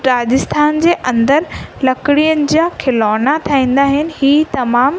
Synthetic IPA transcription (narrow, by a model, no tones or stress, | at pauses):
ɾaːd͡ʑɪst̪ʰaːnd͡ʑeːʔɐ̃nd̪əɾlɐkɪɽijənɪ̆d͡ʑiakʰɪlɔːnat̪ʰaĩːn̆d̪aːɦɪnɪ̆ɦiːt̪ɐmaːm